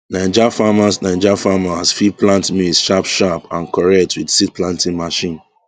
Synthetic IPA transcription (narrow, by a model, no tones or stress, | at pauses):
nãd͡ʒafamasnãɪd͡ʒafamahasfiplãntmisʃapʃapãnkɔɹɛk̚tʰwidsit̚plãntĩŋmaʃĩn